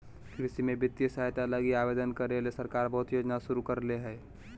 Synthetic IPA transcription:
kɾɪsimẽbɪt̪jəsaɦt̪aləɡiaːbeːd̪ənkəɾelesəɾkaːɾbəɦʊt̪joːd͡ʒnasʊɾukəɾleɦɛː

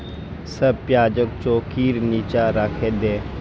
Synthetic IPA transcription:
səb̚pjaːd͡ʒək̚t͡ʃoːkiːɾniːt͡ʃaɾaːkʰeːd̪eː

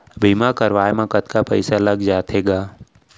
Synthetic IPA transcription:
bʱiːmakəɾʋaːjmãkət̪kapə̰ɪsaləɡd͡ʒaːt̪ʰeːɡaː

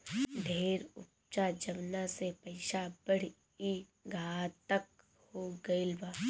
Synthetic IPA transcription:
ɖʱeːɾʊ̰p̚ | t͡ʃad͡ʒɐʋnasepɐɪʃabəɽ̤ | i | ɡʱaːt̪ək̚ | hoɡɐɪlbaː

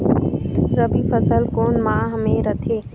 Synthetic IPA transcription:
ɾəbipʰəsəlkoːnmãːɦəmẽɾət̪ʰeː

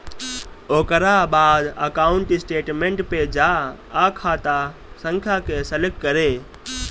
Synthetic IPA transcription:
oːkəɾabaːd̪əkaːʊ̃ɳʈɪsʈeːʈmẽɳʈped͡ʒaakʰaːt̪a | sə̃ŋkʰjakesəlek̚kəɾe

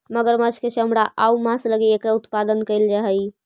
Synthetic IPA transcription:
məɡəɾmət͡ʃʰkesɦəmɽaʔaumãsləɡeekɾaut̪pad̪ənkəjld͡ʒaɦəj

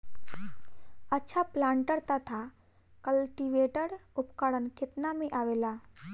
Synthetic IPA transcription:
ətːʃʰaplaɳʈəɾt̪at̪ʰa | kəlʈiʋeʈəɽupkaɽənkit̪namẽʔaʋela

